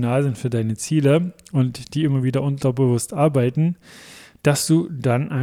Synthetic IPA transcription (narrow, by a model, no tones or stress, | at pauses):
naːlzɪntfyːɐdaɪnət͡siːləʔʊntd̥iːɪmɐviːdɐʔʊntɐbəvʊstʔaɐbaɪtn̩d̥asd̥uːd̥anʔa